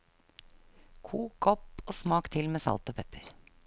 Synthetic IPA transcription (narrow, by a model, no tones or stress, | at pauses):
kʰuːkɔpoːsmɑːkt̪ʰɪlmeːsɑ̰lt̪oːpʰɛpəɾ